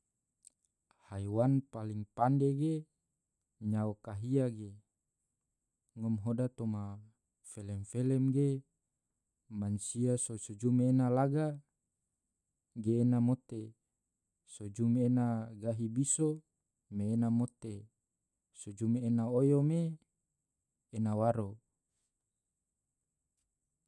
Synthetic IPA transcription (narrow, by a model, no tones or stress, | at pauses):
hajwanpaliŋpandeɡe | ɲaokaɦiaɡe | ŋɔmɦodat̪oma | felɛmfelɛmɡe | mansiasosod͡ʒumeːnalaɡa | ɡeːnamot̪e | sod͡ʒumeːnaɡaɦibiso | meːnamot̪e | sod͡ʒumeːnaojome | nawaɾo